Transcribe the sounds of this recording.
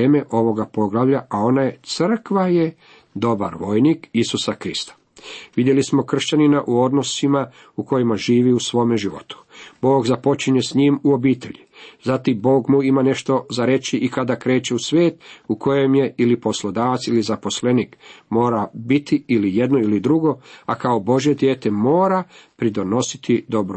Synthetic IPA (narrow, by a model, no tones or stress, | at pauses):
eːme̞ʔo̞ʋo̞ɡapo̞ɡlaʋʎaʔao̞naje̞t̪sr̩kʋaje̞ | d̪o̞ba̰ɾʋo̞jnikisusakɾist̪ḁ | ʋid̪jelismo̞kr̩ʃt͡ɕaninaʔuo̞d̪nosima | uko̞jimaʒiːʋiusʋo̞ːmeʒiʋo̞̰t̪u̥bo̞ːɡzapo̞t͡ʃiɲe̞sɲiːmuo̞biːt̪e̞̰ʎizat̪imbo̞ːɡmuimane̞ʃt̪o̞zaɾet͡ɕiʔikad̪akɾe̞ːt͡ɕe̞usʋje̞ːt̪ukʰo̞jemje̞ilipo̞slo̞d̪aːʋat̪silizapo̞sle̞niːkmo̞ːɾabit̪iilije̞d̪no̞ilid̪ɾuɡo̞akao̞bo̞ʒje̞d̪jeːt̪e̞mo̞ːɾapɾid̪o̞no̞si̥t̪ʰid̪o̞bɾu